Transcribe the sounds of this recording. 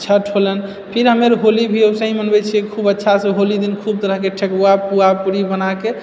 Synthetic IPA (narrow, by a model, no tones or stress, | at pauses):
t͡ʃʰaʈʰolən | pʰiɾɦəmeɾɦolibʱiosə̃ɦĩmənbɛt͡ʃʰikʰubətːʃʰasẽɦolid̪inkʰub̚t̪əɾəɦkeʈʰekuapuapuɾibənake